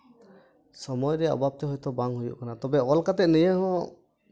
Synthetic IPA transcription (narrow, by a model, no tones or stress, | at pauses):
sɔmɔjɾɛɔ̰bap̚t̪ɛɦɔjt̪ɔbaŋɦujṵʔkanat̪ɔbɛɔlkat̪ɛʔ̪̚nijəhɔ̃